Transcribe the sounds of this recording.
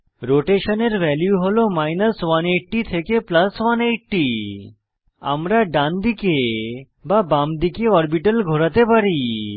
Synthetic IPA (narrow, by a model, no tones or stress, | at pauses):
ɾoʈeʃoneɾʋɛljuɦolomajnəswaneʈʈit̪ʰekeplaswaneʈʈi | a̰mɾaɖand̪ike | babamd̪ikeɔɾbiʈəlɡʱoɽat̪epaɾi